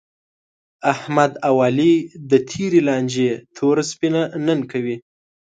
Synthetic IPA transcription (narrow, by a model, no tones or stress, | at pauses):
ahmad̪awɑlid̪ət̪ʰiɾelɑnd͡ʒet̪ʰoɾaspinanənkawi